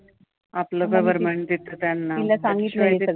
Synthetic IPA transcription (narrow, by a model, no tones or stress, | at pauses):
aploɡɐʋəɾmeɳʈ̚d̪it̪ət̪anːailasaŋɡit̪laeɐd̪